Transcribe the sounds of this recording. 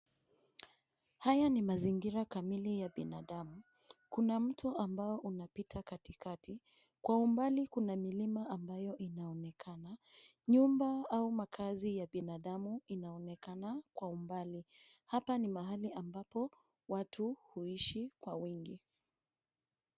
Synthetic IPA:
hajanimaziŋɡiɾakamilijaɓinaɗamu | kunam̩tʰuʔambaɔʔunapitʰakatikati | kwaumbalikunamilimaʔambajɔʔinaɔnɛkʰanaɲumbaaumakʰazijaɓinaɗamuinaɔnɛkanakwaumbali | hapanimaɦaliʔambapɔ | watʰuhuiʃikwawiŋɡi

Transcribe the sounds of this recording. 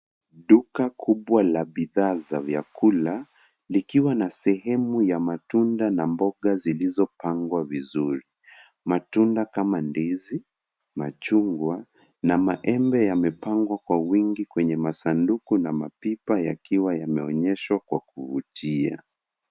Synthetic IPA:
ɗukakʰuɓwalaɓiðaːzavja̰kula | likiwanasɛhɛmujamatundanambɔɠazilizɔpaŋɡwavizuɾi | matundakamandɛzi | ma̰t͡ʃuŋɡwa | namaʔɛmbɛjamɛpaŋɡwakwawiŋɡikwɛɲɛmasandukunamapipajakiwajamɛɔɲɛʃwakwakuvutʰia̰

